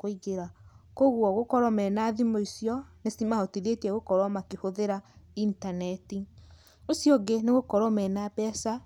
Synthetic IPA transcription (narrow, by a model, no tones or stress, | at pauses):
koiɣeɾakoɣwɔɣokɔɾɔmɛnaðimoisiɔnesimahɔtiðetiɛɣokɔɾɔmakehoðeɾaintanɛti | osijɔɡeneɣokɔɾɔmɛnabɛsa